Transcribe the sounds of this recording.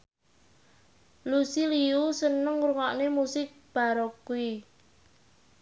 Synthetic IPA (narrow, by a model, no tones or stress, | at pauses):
lusiliusənəŋɾuŋaʔnemusɪk̚b̥a̤ɾokui